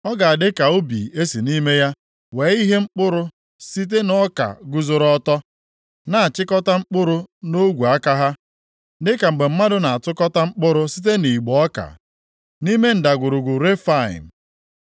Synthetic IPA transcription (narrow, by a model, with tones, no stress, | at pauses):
ɔ˦ɡa˨a˨dɪ˦ka˨o˦bḭ˨e˦si˨ni˦me˦ja˦ | we˨˦i˦ɦe˦ŋ͡m̩˦k͡pʊ˦ɾʊ˦ | si˦t̬e˦nɔ˦ka̰˨ɡu˦zʊ˦ɾɔ˦tɔ˦ | na˨a˨t͡ʃɪ˦kɔ˦ta˦ŋ͡m̩˦k͡pʊ˦ɾʊ˦no˦ɡʷu˨a˦ka˦ɦa˦ | dɪ˦ka˨ŋ͡m̩˨ɡ͡be˨m̩˦ma˦dʊ˦na˨a˨tʊ˦kɔ˦ta˦ŋ͡m̩˦k͡pʊ˦ɾʊ˦si˦t̬e˦ni˨ɡ͡bɔ˨ɔ˦ka̰˨ | ni˦me˦n̩˨da˨ɡʊ˨ɾʊ˨ɡʷʊ˨ɾe˦fa˦˨ɪ̰˨m̩˨